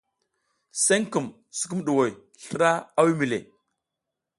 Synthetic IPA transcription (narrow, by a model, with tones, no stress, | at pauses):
se˦ŋku˨m | su̥˨ku˦m˦ɗu˨wo˨j | ɬɾa˦a˦wi˦mi˨lḛ˨